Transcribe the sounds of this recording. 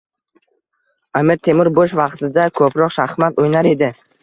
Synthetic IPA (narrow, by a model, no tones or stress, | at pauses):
amɪɾt̪ʰe̞mɪɾboʃ̬vɑqt̪ʰɪd̪akʰɵpɾɒqʃaχmat̪ojnaɾe̞d̪ɪ